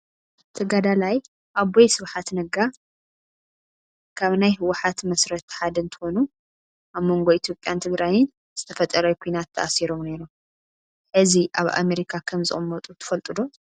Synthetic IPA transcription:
t̪ʰɐɡad̪alaj | ʔaβojsɨβħat̪nɐɡa | kʰaβnajhɨwʊħat̪mɐsɾɐt̪ħad̪ɨnt̪ʰɨ̥xo̞nu | ʔaβmo̞ŋɡo̞it̪ʰjo̞pʼjant̪ʰɨɡɾajɪn | z̥ɨt̪ʰɐfɐt̪ʼːɐɾɐkʰojnat̪ʰːɐ̰ʔasiɾo̞mne̞ɾum | ħɨziʔaβa̰meɾikʰakʰɐmzɨ̰χʼɨmːɐt̪ʼut̪ʰɨ̥fɐlt̪ʼɨd̪o̞

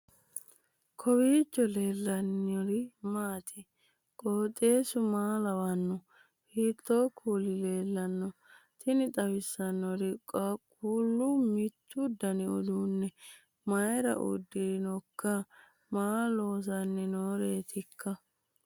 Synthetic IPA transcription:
kʰɔwiːt͡ʃːɔle̞ːlːɐnːɔɾɪmaːt̪ʰɪ | kʼoːt̪ʼːe̞ːsʊmaːlɐwɐnːɔ | hiːt̪ːoːkʰuːlɪle̞ːlːɐnːɔ | t̪ʰɪnɪt̪ʼɐwɪsːɐnːɔɾɪkʼkʼːuːlːʊmɪt̪ːʊd̪ɐnɪɔ̰d̪uːnːɛ | mɐjɾɐ̰ʔʊ̰d̪ːɪɾɪnɔkːɐ | maːloːs̬ɐnːɛnoːɾeːt̪ɪkːɐ

